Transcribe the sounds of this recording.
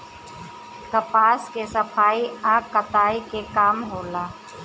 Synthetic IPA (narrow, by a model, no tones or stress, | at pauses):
t̪ɐpaːskesəpʰaːiaːkːət̪aːikekaːmɦoːlaː